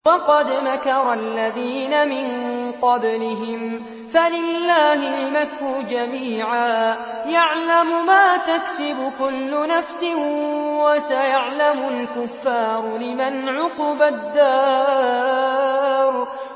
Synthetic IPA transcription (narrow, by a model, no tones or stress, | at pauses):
wɑqɑd̪makɑɾˤɑlːaðiːnamɪnqɑblɪɦɪm | falɪlːaːhɪlmakːʊd͡ʒamiːʕaː | jaʕlamʊmaːt̪aksɪbʊkʊlːʊnafsɪwasajaʕlamʊlkʊfːɑːɾˤlɪmanʕʊqʊbad̪ːaː | ɾˤ